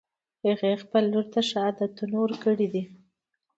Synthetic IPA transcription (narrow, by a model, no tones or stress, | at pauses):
həɣexpəlːuɾt̪aʃɑd̪at̪ənoɾkəɽid̪i